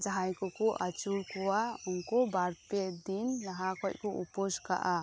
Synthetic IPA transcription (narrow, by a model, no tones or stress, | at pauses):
d͡ʒaɦajkɔkɔʔat͡ʃuɾkɔwaunkɔbaɾpɛd̪inlaɦakɔt̚kɔupɔd͡ʒka̰ʔa